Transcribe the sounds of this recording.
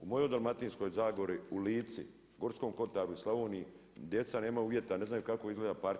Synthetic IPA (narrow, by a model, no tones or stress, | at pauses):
umo̞jo̞jd̪almat̪insko̞jzaːɡo̞ɾiuliːt̪sḭ | ɡo̞ɾsko̞mko̞t̪aːɾuislaʋoːnii | d̪je̞t̪sane̞ːmauːʋjet̪ane̞znajukakoizɡleːd̪apaɾt̪